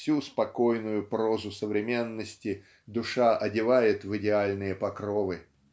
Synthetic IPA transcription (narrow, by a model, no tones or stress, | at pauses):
fsʲuspɐko̞jnʊjʊpɾo̞zʊsəvɾʲɪmʲe̞nːəsʲtʲɪ | d̪ʊʂaʔɐdʲɪvajɪt̪vɨdʲɪalʲnɨjəpɐkɾovɨ